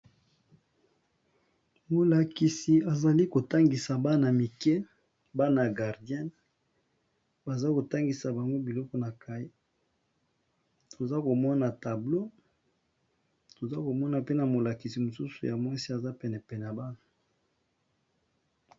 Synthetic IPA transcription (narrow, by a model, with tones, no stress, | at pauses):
mo˨la˨ki˨si˨a˨za˨li˦ko˨ta˦ŋɡi˨sa˨ba˦na˨mi˨kɛ˦ | ba˦na˨ɡa˨ʁdjɛ˦n | ba˨za˦ko˨ta˦ŋɡi˨sa˨ba˨ŋɡo˦bi˨lɔ˦kɔ˨na˨ka˦i˦ | tʰo˨za˦ko˨mɔ˦na˨ta˨blo˦ | to˨za˦ko˨mɔ˦na˨pe˦na˨mo˨la˨ki˨si˨mo˨su˦su˨ja˨mwa˦si˦a˨za˦pɛ˨nɛ˨pɛ˨n˨a˨ba˦na˨